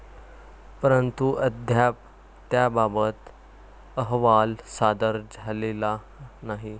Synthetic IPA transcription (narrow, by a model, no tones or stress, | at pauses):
pəɾənt̪uʔəd̪ʱjap̚ː | jababət̪ | əɦʋalsad̪əɾd͡zʱalela | naɦi